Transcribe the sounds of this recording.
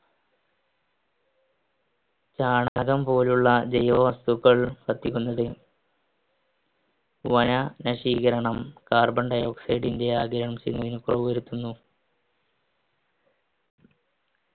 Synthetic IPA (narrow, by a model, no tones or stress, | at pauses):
t͡ɕaːɳaɣɐmpo̞ːluɭːɐd͡ʑejɐːʋɐst̪uɣːɐɭpɐt̪ːikʲːunːɐðɨ | ʋɐnɐnɐʂiːɣɐɾɐɳɐmkaːrbɐɳɖɐjo̞ːksɐjɖinde̞aːɡɐɾɐɳɐmt͡ɕejunːɐðinukroʋuʋɐɾut̪ːunːu